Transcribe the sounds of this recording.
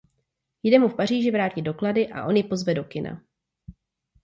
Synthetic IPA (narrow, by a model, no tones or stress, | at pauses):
jdɛmufpar̝iːʒɪvɾaːcɪdo̞kladɪʔa̰ʔo̞njɪpo̞zvɛdo̞kɪnʔa̰